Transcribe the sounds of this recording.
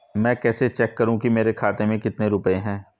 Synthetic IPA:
mɛ̃ːkɛːset͡ʃɛːkːɐɾũkimeːɾekʰaːt̪emẽkɪt̪neɾʊpəeɦɛ̃ː

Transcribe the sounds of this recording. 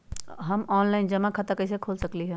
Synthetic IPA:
ɦəmɔːnlaɪnd͡ʒɐmãkʰət̪əkəɪs̬ekʰoːlsəkliɦɛ̃

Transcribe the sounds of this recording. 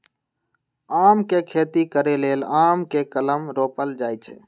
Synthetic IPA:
aːmkekʰeːt̪ikəɾeleːlaːmkekələmɾoːpəld͡ʒaːjt͡ʃʰḛ

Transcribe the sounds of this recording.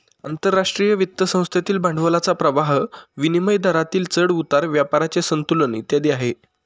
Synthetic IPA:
ənt̪əɾːaʂʈɾijəʋit̪ːəsə̃w̃st̪ʰjat̪iːlbãɳɖʱʋəlat͡sapɾəʋaɦʋiniməjd̪ʱaɾat̪iːlt͡səɽut̪aɾʋjapaɾat͡ɕesənt̪ulənit̪jad̪iːaɦe

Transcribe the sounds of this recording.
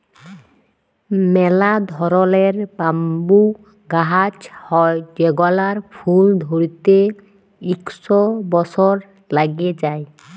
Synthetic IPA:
mɛlad̪ʱɔɾɔleɹbambu | ɡaɦad͡ʒhɔjd͡ʒɛɡɔlaɹpʰuld̪ʱoɹit̪e | iksɔbɔsɔɹ | laɡed͡ʒaj

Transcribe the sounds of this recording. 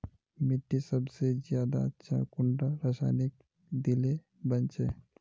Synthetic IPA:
mɪʈːisəbsezjaːd̪aətːʃʰa̰kʊɳɖaɾəsaːnɪk̚ | d̪ile | bənt͡ʃe

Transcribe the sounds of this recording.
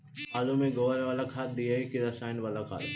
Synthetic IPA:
aːlomẽɡoːʋəɾʋaːlakʰaːt̪̚d̪iaikʰeɾɐsaːɪnʋalakʰa̰ːt̪

